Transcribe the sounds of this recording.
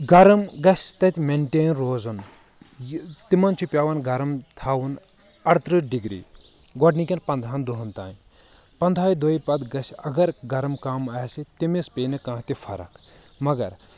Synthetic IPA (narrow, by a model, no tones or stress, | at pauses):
ɡɐɾɐmɡɐsʲt̪ɐt̪ʲmeɳʈeːnɾoːzɐn | t̪imɐnt͡ʃʰupʲjaːʋɐnɡɐɾɐmt̪ʰaːwun | ɐɽt̪ɾɨɖiɡɾḭː | ɡɔɖnikʲɐnpɐnd̪ʱaːnd̪oɦɐnt̪aːn | pɐnd̪ʱaːjd̪oipɐd̪ɡɐsʲɐɡɐɾɡɐɾɐmkamɐːsit̪imispeːnɨkãːt̪ifʰɐ̰ɾɐ̰k | mɐɡɐɾ